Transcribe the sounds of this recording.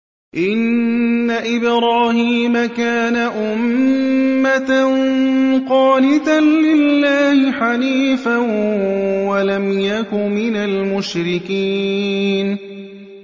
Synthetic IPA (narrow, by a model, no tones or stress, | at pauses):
ʔɪnːaʔɪbɾaːhiːmakaːnaʔʊmː | at̪a | qɑːlɪt̪anlɪlːaːhɪħaliːfa | walamjakʊmɪnalmʊʃɾɪkiːn